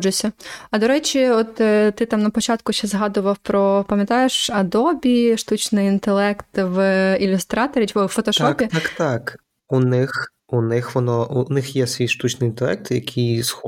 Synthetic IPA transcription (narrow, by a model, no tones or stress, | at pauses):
d͡ʒʊsʲɐɐd̪ɔɾɛt͡ʃʲiɔt̪t̪ɪt̪ɑmnɐpɔt͡ʃɑt̪kʊʃt͡ʃɛzɦɑd̪ʊʋɐwpɾɔpɐmʲjɐt̪ɑjeʃɐd̪ɔbʲiʃt̪ut͡ʃnɪjint̪elˠɛkt̪ʋilʲʊst̪ɾɑt̪ɔɾʲiɔfɔt̪ɔʃt̪ɔpʲit̪ɑkt̪ɑk | unɪx | unɪxʋɔnɔʔunɪxjɛsʋʲijʃt̪ut͡ʃnɪjint̪ɛlˠɛ̰k̚t̪jɐkʲʰijsxɔ